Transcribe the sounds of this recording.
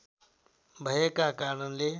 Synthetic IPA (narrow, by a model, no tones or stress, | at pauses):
bʱəjəkakaːɾɳənle